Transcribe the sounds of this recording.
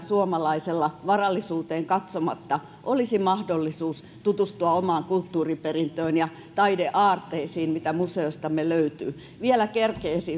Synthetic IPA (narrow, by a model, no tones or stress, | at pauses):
suomɑlɑiselːɑʋɑrɑlːisuːt̪eːŋkɑt̪somɑt̪ːɑ | ʔolisimɑhdolːisuːs | t̪ut̪ust̪uɑomɑːŋkult̪ːuːriperint̪øːnjɑ | t̪ɑideʔɑːrt̪ˑeisiːnmit̪æmuseost̪ɑmeløyt̪y̰ː | ʋielækerkeːsi